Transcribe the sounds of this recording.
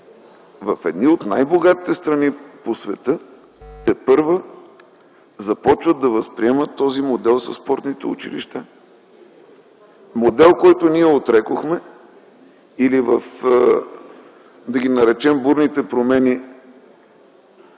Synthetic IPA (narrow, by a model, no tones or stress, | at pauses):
vɐfɛd̪niot̪na̰jboɡat̪i̥t̪ɛst̪ɾɐniposvɛt̪ɤ | t̪ɛpɤɾvə | zɐpɔt͡ʃvəd̪ɐvəspɾiɛmət̪ːɔzimod̪ɛlˠsɐsːpɔɾt̪nit̪ɛṵt͡ʃḭlḭʃt̪a | mod̪ɛlˠkɔjt̪oniɛot̪ɾɛkoxmɛ | ilivəf | d̪ɐɡ̟ʲinɐɾɛt͡ʃɛmbuɾnit̪ɛpɾomɛni